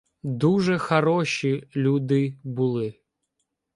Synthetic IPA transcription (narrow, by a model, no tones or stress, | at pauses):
d̪uʐɛxɐɾɔɕilʲud̪ɨbulˠɪ